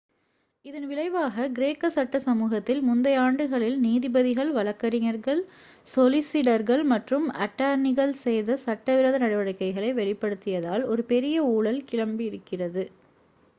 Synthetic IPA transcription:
ɪðɐnʋɪɭɐɪʋaːɣɐɡɪɾeːkːɐsɐʈːɐsɐmuːɣɐt̪ːɪlmʊnd̪ɐjaːɳɖɯɣɐɭɪlniːðɪbɐðɪɣɐɭʋɐlɐkːɐɾɪŋɐɾɣɐɭ | sɔlɪsɪɽɐɾɣɐɭmɐʈrɯmɐʈːaːɾnɪɣɐɭsɛjðɐsɐʈːɐʋɪɾɐðɐnɐɽɐʋɐɽɐɪkːɐɪɣɐɭɐɪʋɛɭɪpːɐɽɯt̪ːɪjɐðaːlɔɾɯpɛɾɪjɐuːɭɐlkɪɻɐmbiɪɾɯkːɪrɐðɯ

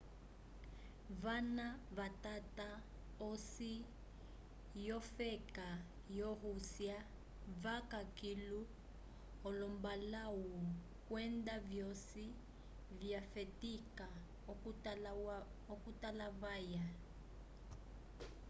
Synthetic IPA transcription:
vanaβatʼatʼa | osi | jɔfɛkʼa | jɔhusja | vakʼakʼilu | ɔlɔmbalawu | kwɛndavjɔsi | vjafɛtʼikʼa | okutʼalavaja

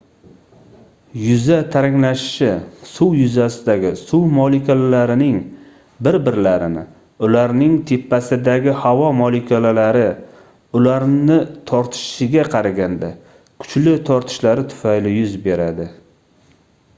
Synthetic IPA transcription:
jʊzat̪ʰaɾɪŋlaʃɪ̥ʃɪsʊwjʊzasɪd̪aɡʲɪsuwmɒlikʲʰolalaɾɪnɪŋ | bɪɾbɪɾlaɾɪnɪ̰ | ʊlaɾnɪŋt̪ʰepːasɪd̪aɡʲɪhavɒmɒlɪkʲʰolalaɾɪ | ʊlaɾnɪt̪ʰɒɾt̪ʰɪ̥ʃʃɪɡʲaqʰɑɾaɡʲand̪a | kʰʊ̥t͡ʃlɪt̪ʰɒɾt̪ʰɪ̥ʃlaɾɪt̪ʰʊ̥fajlɪjʊzbe̞ɾad̪ɪ

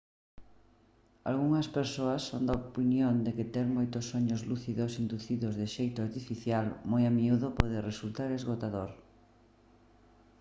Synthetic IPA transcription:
a̰lɣuŋɐspeɾsoɐsːond̪aopinjond̪ekɪt̪ɛɾmojt̪osːoɲozluθiðosind̪uθiðozðɪʃejt̪ʊaɾt̪ifiθjalmojamiuðopoðeresult̪aɾezɣot̪aðoɾ

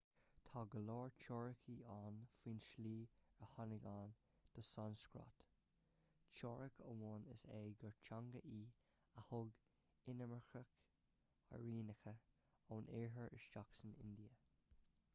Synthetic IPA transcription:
t̪ʰɑːɡəlɔːɹt͡ʃʰɔːɹəkʰiːaːnfiːnʃliːɹəhanɪɡaːn | d̪̥əsanskɹɔ̰t̪ | t͡ʃɔɹəkʰəwɔːnɪseːɡəɹt͡ʃʰaŋɡəʔiː | əhʊɡ | ɪnəməxək | ə̰ɹiːnəxə | onɛɹɦəɹʔɪ̰ʃt͡ʃaksənɪ̰nd̪iə

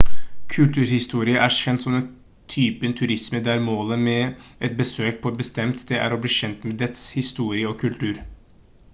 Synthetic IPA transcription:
kʰʉlt̪ʰʉːɾhɪst̪uːɾɪəʔæːɕɛnt̪sɔmɛn | t̪ʰyːpənt̪ʰʉɾɪsməd̪æɾmoːləmɛːɛt̪̚bəsøːk̚pʰɔɛt̪̚bəst̪ɛmt̪d̪ɛʔæ̰ːɾɔbliːʃɛnt̪mɛd̪ɛt̪shɪst̪uːɾɪəɔkʰʉlt̪ʰʉːɾ

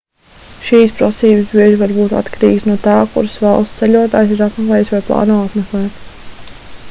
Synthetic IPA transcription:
ʃiːspɾasiːbɨsbiɛʒivaɾbuːt̪a̰t̪kaɾḭːɡsnuɔt̪aːkṵɾsvɑlˠst̪sɛlʲuɔt̪aːjs̬iɾat̪mɛklˠɛːjsvajplˠɑ̰ːnoːat̪mɛklˠɛːt̪

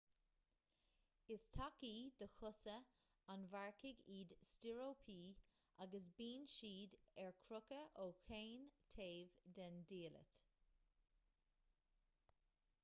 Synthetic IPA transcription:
ɪst̪ʰakiːd̪əxʊsə | anvaɹkɪɡiːd̪stɪɹoːpʰiː | ʔaɡəs̬biːnʃiːd̪ɛɹkʰɾʊkəʔoːxeːnt̪ʰeːvd̪ɛndiːlə̰t̪

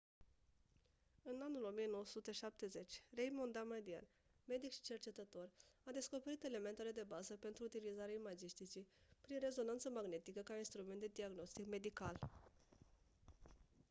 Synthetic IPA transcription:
ɨnanulo̞mijeno̞wəsut̪e̞ʃap̚t̪e̞ze̞t͡ʃʲrejmo̞nd̪amad̪ia̰n | me̞d̪ikʃi̥t͡ʃe̞rt͡ʃe̞t̪ət̪o̞rad̪e̞sko̞pe̞ɾit̪e̞le̞me̞nt̪ele̞d̪e̞bazəpe̞nt̪ɾuːt̪ilizaɾeaimad͡ʒist̪it͡ʃipɾinre̞zo̞nant̪səmaɡne̞t̪ikəkainst̪ɾume̞nt̪d̪e̞d̪iaɡno̞st̪ikme̞d̪ikal

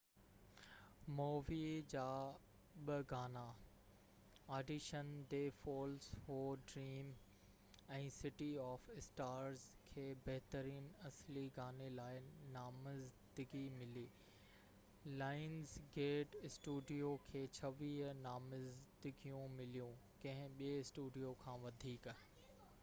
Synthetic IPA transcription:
moːʋid͡ʑaː | ɓəɡaːna | aːɖiʃənd̪eːfoːlshoːɖɾiːm | ɛ̃ːsɪʈiɔːfɪsʈaːɾzkʰeːbɐɦt̪əɾiːnɐsliɡaːnelaːɪnaːmɪzd̪ɪɡimɪliː | laːɪnzɡeːʈɪsʈuːɖijokʰeːt͡ɕʰɐʋiːɦnaːmɪzd̪ɪɡijũmɪlijũ | kɐ̃ɦɪ̃ɓieɪsʈuːɖijokʰãːʋɐd̪ʱiːk

